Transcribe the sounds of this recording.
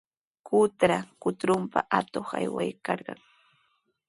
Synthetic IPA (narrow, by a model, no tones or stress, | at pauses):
kʊt̪ɾakʊt̪ɾʊmpaʔat̪oχajwajkɑɾɢɑŋ